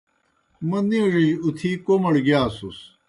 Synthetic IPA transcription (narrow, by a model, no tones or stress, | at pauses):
mɐniuʐid͡ʑut̪ʰikomɐɽɡjaːsus